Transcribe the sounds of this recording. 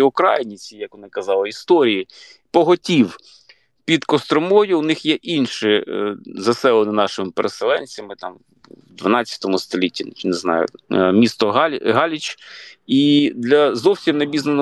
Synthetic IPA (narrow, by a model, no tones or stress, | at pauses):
iʊkɾɑ̰jɪnʲit͡sʲijɐkʋɔnɪkɐzɑlˠɪist̪ɔɾʲiji | pɔɦɔtʲiw | pʲid̪kɔst̪ɾɔmɔjʊwnɪxjɛʔinʃɪzɐsɛlˠɔnɪnɑʃɪmɪpeɾʔeselˠɛnʲt͡sʲɐmɪt̪ɑm | wd̪ʋɐnɑt͡sʲjɐ̥t̪ɔmʊst̪ɔlʲitʲːineznɑ̰jʊ̰mʲist̪ɔɦʲɦɑlʲit͡ʃid̪lʲɐzɔwsʲimnɐbʲiznɐnɔ